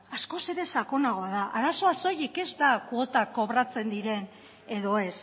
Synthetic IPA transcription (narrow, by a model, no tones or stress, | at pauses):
asko̞se̞ɾe̞sako̞naɣo̞aðaʔaɾaso̞aso̞jike̞zd̪akwo̞t̪ako̞βɾat͡se̞nd̪iɾe̞n | e̞ðo̞e̞s